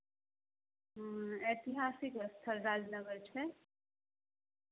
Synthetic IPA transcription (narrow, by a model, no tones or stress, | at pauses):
et̪iɦaːsikəst̪ʰəɾɾad͡ʒnəɡəɾt͡ʃʰɛ